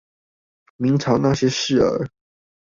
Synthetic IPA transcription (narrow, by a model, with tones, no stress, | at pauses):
mi˧˥ŋʈ͡ʂʰɑ˧˥ʊna˥˨ɕjɛ˥ʂɻ̩˥˩ə̰˧˥